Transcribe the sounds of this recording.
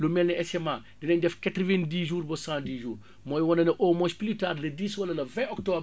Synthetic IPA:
lumɛlnɛɛsɛmaː | dinɐɲdɛfkatɾivɛndiːʒuːɾbɔsãːdiːʒuːr | mɔːjwɔnːɐnɛʔoːmɔspilitaːrlɐdiːswɐlɐlɐvɛ̃ʔɔk̚tɔːb

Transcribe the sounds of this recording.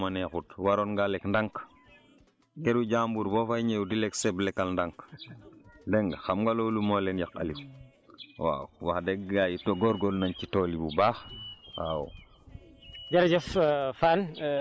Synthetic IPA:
manɛxutwaɾonɡalekndaŋk | keɾuɟambuɾbofajɲewudilɛkseblɛkalndaŋk | dɛŋɡxamɡalolumolenjaka̰liw | wa̰wwaxdɛɡɡajitoɡoɾɡolnaɲt͡ʃitoːlibubaːxwa̰wṵ | d͡ʒaɾd͡ʒɔffan

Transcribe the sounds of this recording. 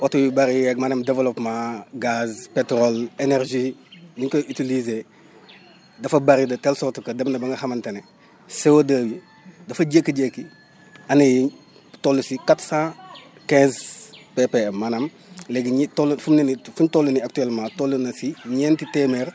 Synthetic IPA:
wɔtuwibɐɾijɛɡ̚manɐmdɛvɛlɔpmãɡazpɛtɾɔlenɛrʒiniŋkɐitilize | dɐfɐbɐɾidɐtɛlsɔtukɐdɐbnɐbɐŋɡɐhɐmɐntɐnɛ | sewodɐːwi | dɐfɐɟekːiɟekːi | ɐnɐji | tɔlːusikatsã | kɛ̃zpɛpɛmanɐm | lɛɡiɲtɔlfumnɐnifuntɔlːuniak̚tuɛlmãtɔlːunɐsiɲɛntitɛmɛr

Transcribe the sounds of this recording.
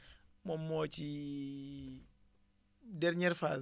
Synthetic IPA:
momːoːt͡ʃi | dɛɾɲɛɾfa

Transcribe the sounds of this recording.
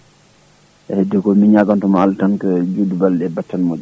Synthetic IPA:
ʔɛhɛdːɛkɔmiɲaɡantɔmaaltankəd͡ʒudubalɗɛbatːanmod͡ʒ

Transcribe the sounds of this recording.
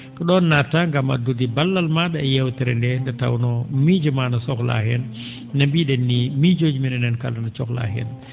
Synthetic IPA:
kɔɗɔnːataŋɡama̰dudibalːalmaɗaɛjɛwtɛɾɛndɛndɛta̰wnɔmid͡ʒumanasɔkla̰hɛnː | ambiɗɛnːimid͡ʒod͡ʒiminɛnɛnka̰lanat͡ʃɔkla̰ɦɛ̰n

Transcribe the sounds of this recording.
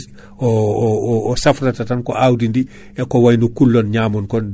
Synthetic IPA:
oː | safɾatatankoʔawdindi | ekowajnukulːonɲaːmonkon

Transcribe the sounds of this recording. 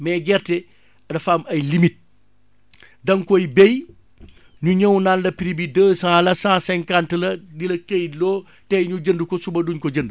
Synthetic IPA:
mɛːɡɛɾtɛ | ɐdɐfaːmɐjlimit̚ | dɐŋkɔjbej | ɲuɲɐwnanlɐpiɾibidəːsãːlɐsãːsɛŋkantəlɐdilɐkejlɔː | tɛɲud͡ʒəndukɔsubɐduɲkɔd͡ʒəndu

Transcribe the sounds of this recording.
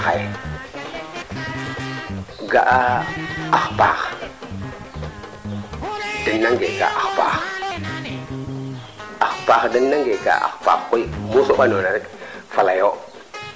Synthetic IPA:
a̰j | ɡaʔaaxpa̰x | dənːaŋɡeɡa̰ʔaxpa̰x | axpaxdənːaŋɡeɡa̰a̰xpa̰xkoimusoɓanonafalajo

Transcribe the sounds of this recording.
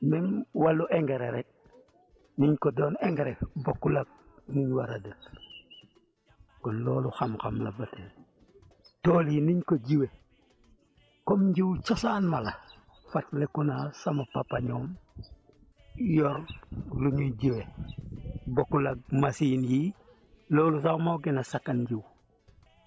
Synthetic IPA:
mɛnwalːuʔeŋɡeɾeɾek̚ | niɲkodɔːneŋɡeɾekbokːulaɡ̚ | muɲwaɾadə | kɔnlɔːluxamxamlabatel | toːliniɲkoɟiwe | komɲɟiwt͡ʃosaːnmala | fatlekunasamapapaɲoːm | jɔɾluɲuɟiwe | bokːulaɡ̚masiːnji | loːlus̬awmoɡinasakːanɲɟiw

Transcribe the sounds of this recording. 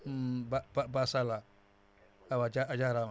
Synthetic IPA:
bababasala | awad͡ʒaad͡ʒaɾan

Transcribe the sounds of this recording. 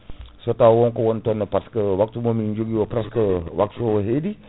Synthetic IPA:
sot̪awɔŋkowɔnt̪ɔnəpaskəwak̚t̪umomiɲd͡ʒuɡiwopɾaskəwak̚t̪uɦedi

